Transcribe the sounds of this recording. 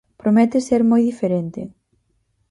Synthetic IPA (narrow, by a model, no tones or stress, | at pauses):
pɾomɛt̪eseɾmojðifeɾent̪e